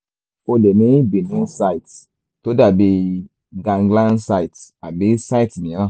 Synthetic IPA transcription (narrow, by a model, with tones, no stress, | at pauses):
ko˧le˨mĩ˦bi˨nũ˦sa˦i˨t | to˦da˨be˧ | ɡã˨ŋɡlã˦nsa˧i˨ta˨be˦sa˦i˨tmĩ˨ã˦˨